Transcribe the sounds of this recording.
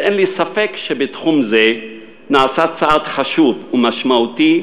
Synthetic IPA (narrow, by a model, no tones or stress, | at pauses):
enlisafekʃebetχumze | naːsat͡saat̪χaʃuvumaʃmaut̪i